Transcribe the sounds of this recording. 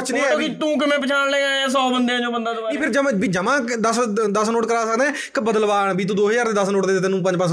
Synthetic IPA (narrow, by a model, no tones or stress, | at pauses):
ət͡ʃñːɛːit̪ũːk̬ɪmɛ̃ːp̬ət͡ʃʰaːnleːãːeːs̬ɔːbənd̪ejãːd͡ʒoːbənd̪aːd̪iːpʰɪɾd͡ʒəmbiːd͡ʒəmãːd̪əsd̪əsnoːʈkəɾaːsəkd̪ẽːɛː | kɪbəd̪əlbaːɳbiːt̪ũːd̪oːɦjaːɾeːd̪əsnoːʈd̪eːd̪et̪enũːpəɲd͡ʒpə̃ɲ